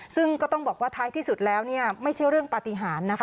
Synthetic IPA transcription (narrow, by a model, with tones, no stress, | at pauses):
sɯ˥˩ŋkɔː˥˩t̪ɔ˥˩ŋbɔː˨˩k̚waː˥˩t̪ʰaː˦˥jt̪ʰiː˥˩su˨˩t̪̚lɛː˦˥wni˥˩ɐma˥˩jt͡ɕʰa˥˩jɾɯ˥˩əŋpa˨˧˩t̪i˧ɦaː˩˦nːa˦˥kʰ